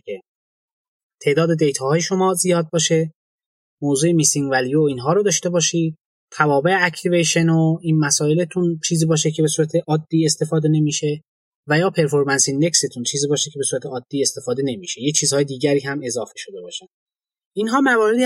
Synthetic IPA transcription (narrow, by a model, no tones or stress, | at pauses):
e | t̪ʰe̞ːʔd̪ɒːd̪ed̪ejt̪ʰːhɒːjeʃo̞mɒːzijɒːd̪̚bɒːʃe | moːzuːemisiŋɡvæljoiːnɦɒːɾod̪ɒːʃt̪e̞bɒːʃiːd̪̚ | t̪ʰævɒːbeʔeæcʰt̪ʰivejʃenoiːnmæsɒːe̞let̪ʰunt͡ʃʰiːziːbɒːʃ̬ecʰe̞be̞suːɾæt̪ʰe̞ʔɒːd̪ːiːe̞st̪e̞fɒːd̪e̞ne̞miːʃe̞ | væjɒːpʰe̞ɾfo̞ɾmænsinːe̞kset̪ʰunt͡ʃʰiːziːbɒːʃecʰebe̞suːɾæt̪ʰeɒːd̪̥ːiːe̞st̪e̞fɒːd̪e̞ne̞miʃe̞jet͡ʃʰiːz̥hɒːje̞d̪iːɟæɾiːɦæme̞zɒːfe̥ʃo̞d̪e̞bɒːʃæn | ʔinɦɒːmævɒːɾe̞d̪i